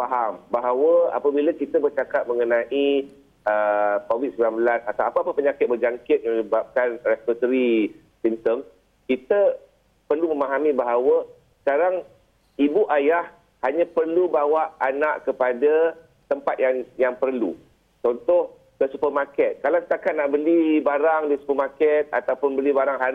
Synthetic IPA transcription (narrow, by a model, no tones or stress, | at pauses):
faɦambaɦawəa̰pəbilakit̪əbərt͡ʃakat̪̚məŋənãʔi | əkowit̪̚səbilanbəlasat̪awapaapəpəɲakɪt̪̚bərd͡ʒaŋkɪt̪̚mə̃ɲəbap̚kanrɛpɔt̪əɾi | simt̪əms | kit̪ə | pərlumə̃maɦamĩbaɦawə | sə̥kaɾaŋ | ibuʔajah | haɲãpərlubawaʔanaʔkəpada | t̪əmpat̪̚jaŋjaŋpərlṵ | t͡ʃɔnt̪ɔh | kəsupərmakɛt̪̚kalast̪akanaʔbəlibaɾaŋdisu̥pərmakɛt̪̚a̰t̪awpʊnbəlibaɾaŋɦa